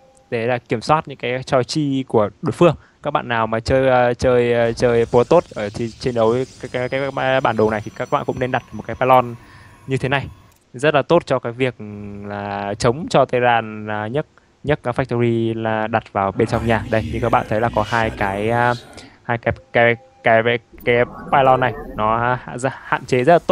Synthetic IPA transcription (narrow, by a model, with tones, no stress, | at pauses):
t̪e˨˦laː˨˩ki˧˩əmswaː˦˥t̚ɲɨ̰˧˥ŋkaː˨˦jt͡ɕɔ˧t͡ɕi˧ku˧˩əɗo˨˦jfɨ˧əŋ | kaː˦˥k̚ɓa̰ː˧˨nːaː˨˩wmaː˨˩t͡ɕəː˧jt͡ɕəː˧jt͡ɕəː˧jpo˧˨˦t̪o˦˥t̚ʔəː˧˩t̪ʰi˨˩t͡ɕe˧nɗə˨˦wkaː˨˦˥kaː˨˦ɓaː˧˩nɗo˨˩na˨˩jt̪ʰi˨˩kaː˦˥k̚ɓa̰ː˧˨nkʊ̰˧˥ŋ͡mne˧nɗa˨˩t̚ɗə˨˩˨kaː˨˦jpaː˧lɔ˧n | ɲɨ˧t̪ʰe˨˦na˨˩j | zə˦˥t̚laː˨˩t̪o˦˥t̚t͡ɕɔ˧kaː˨˦jvi˨˩ək̚laː˨˩t͡ɕə˨˦wŋ͡mt͡ɕɔ˧t̪ə˧jzaː˧nː˨˩ɲə˦˥t̚ | ɲə˦˥kaː˨˦k̚fa˦˥k̚t̪o˧zi˧laː˨˩ɗa˨˩t̚vaː˨˩wɓe˧nt͡ɕɔ˧wŋ͡mɲaː˨˩ɗə˧jɲɨ̰˧ŋkːɓa̰ː˧˨nt̪ʰə˨˦jlaː˨˩kɔ˨˦ɦaː˧jkaː˨˦jhaː˧jkaː˨˦kaː˨˦j | kaː˨˦jka˨˦jpaː˧jlɔ˧nːa˨˩jnɔ˨˦˧zha̰ː˧˨nt͡ɕe˨˦zə˦˥t̚laː˨˩o˦˥